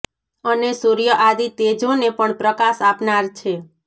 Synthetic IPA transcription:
ənesuɾijəʔad̪it̪ed͡ʒonepəɳpɾəkasapnaɾt͡ʃʰe

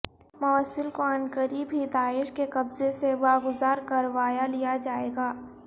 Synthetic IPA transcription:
mɐʋəsɪlkoɐnkəɾibʱid̪aːɪʃkeqɐbzeseʋaːɡʊzaːɾkɐɾʋaːjalijad͡ʒaːeːɡaː

